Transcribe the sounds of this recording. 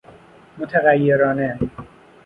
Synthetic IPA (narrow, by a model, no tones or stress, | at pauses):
mot̪ʰeɣæjːeɾɒːne